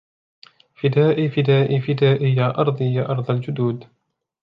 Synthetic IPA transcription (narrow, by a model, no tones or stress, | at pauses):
fɪd̪aːʔiːfɪd̪aːʔiːfɪd̪aːʔɪjaːʔɑɾˤd̪ˤijaːʔɑɾˤd̪ˤɑld͡ʒʊd̪uːd̪